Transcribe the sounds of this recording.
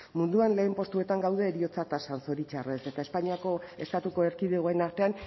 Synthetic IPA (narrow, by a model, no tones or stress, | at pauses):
mund̪uanle̞ːmpo̞st̪ue̞t̪aŋɡawð̞e̞ːɾio̞t͡sat̪asanso̞ɾit͡ʃare̞se̞t̪ae̞spaɲiako̞e̞st̪at̪uko̞e̞ɾkiðeɣ̞o̞e̞naɾt̪e̞an